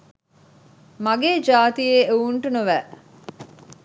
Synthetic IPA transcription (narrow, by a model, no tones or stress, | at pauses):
maɡeːd͡ʒaːt̪ijeːeuɳʈunuʋæː